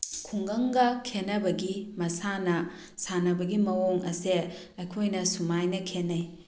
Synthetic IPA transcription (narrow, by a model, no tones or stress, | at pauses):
kʰuŋɡɐŋɡɐkʰenɐbɐɡimɐsanɐ | sanɐbɐɡimɐwoŋɐse | ɐjkʰojnɐsumajnɐkʰenːɐj